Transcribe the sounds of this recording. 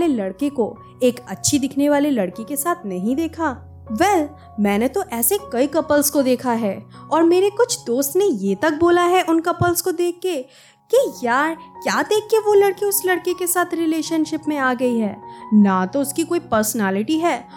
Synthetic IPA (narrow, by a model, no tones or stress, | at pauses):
lelɐɽkeko | eːkɐtːʃʰid̪ɪkʰneʋaːlelɐɽkekesaːt̪ʰnɐɦĩd̪eːkʰaː | ʋɛl | mɛ̃ːnet̪oʔɛːsekɐikɐpəlskod̪eːkʰaɦɛːɔːɾmeːɾekʊt͡ʃʰd̪oːst̪nejeːt̪ɐk̚boːlaɦɛʔʊnkɐpəlskod̪eːkʰːeː | kijaːɾkjaːd̪eːkʰːeʋolɐɽkeʊslɐɽkekesaːt̪ʰɾɪleːʃənʃɪpmẽaːɡɐiɦɛːnat̪oʊskikoːipəɾsənɛːlɪʈiɦɛː